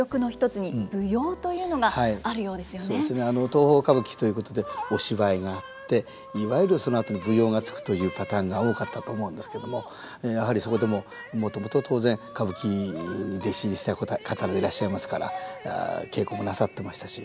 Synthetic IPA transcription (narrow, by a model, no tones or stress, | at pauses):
okɯ̟no̞çi̥t̪o̞t͡sɨɲ̟ib̥ɯ̟joːt̪o̞jɯ̟ːno̞ɡahaiaɾɯ̟jo̞ːd̪e̞sɨjosso̞ːd̪esɨneano̞t̪o̞ːho̞ːkaβɯ̟kʲi̥t̪o̞ji̟ko̞t̪o̞d̪e̞o̞ɕiβaiŋaːtt̪ːe̞ | iβajiɾɯ̟sono̞at̪o̞nʲibɯ̟jo̞ːŋat͡sɨ̥kɯ̥t̪o̞jɯ̟ːpat̪ãŋɡao̞ːkat̪ːat̪o̞ːmo̞ɯ̟̃nd̪e̞sɨ̥ke̞d̪o̞mo̞ | jaɦaɾʲiso̞ko̞d̪e̞mo̞ | mo̞t̪o̞mo̞t̪o̞t̪ʰo̞ːzẽ̞ŋkabɯ̟kʲiɲ̟id̪eɕiɲiɕi̥t̪akʰat̪aɾad̪eiɾaɕːaimasɨ̥kaɾa̰a̰ke̞ːko̞ːmo̞nasat̪ːe̞maɕi̥t̪aɕi